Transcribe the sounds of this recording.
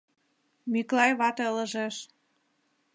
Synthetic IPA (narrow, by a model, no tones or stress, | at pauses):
miklɑjβɑt̪ɤlə̆ʒeʃ